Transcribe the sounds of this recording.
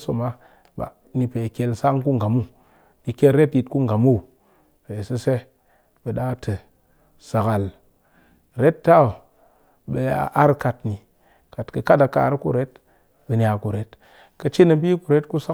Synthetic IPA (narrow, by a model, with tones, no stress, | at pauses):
so˨ma˦ | ɓa̰˨ | ni˨pe˨ke˧lsa˦ŋku˦ŋ˨ɡa˨mu˦˨ | ni˨ke˦lɾe˦tji˧tku˦ŋ˨ɡa˨mu˦˨ | pe˨sɨ˦se˦ | ɓə˨ɗa˦tʰɨ˨ | sa˨ka˨l | ɾe˦tːa˦o˨ | ɓe˨a̰˨ʔa˦ɾka˨tni˨ | ka˨tkə˨ka˦ta˨ka̰ː˨ɾkṵ˦ɾe˦t | ɓə˨nʲa˨ku˨ɾe˦t | kə˧t͡ʃi˦nə˨bi˦ku˨ɾe˦tku˦sa˦